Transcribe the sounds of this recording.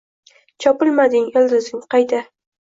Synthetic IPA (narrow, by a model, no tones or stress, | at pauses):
t͡ʃʰɒpɪlˠmad̪ɪŋeld̪ʊzɪŋqɑjt̪a